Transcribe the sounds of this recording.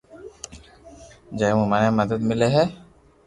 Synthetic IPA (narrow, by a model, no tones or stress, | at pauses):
d͡ʒaemumaneməd̪əd̪mɪleɦɛː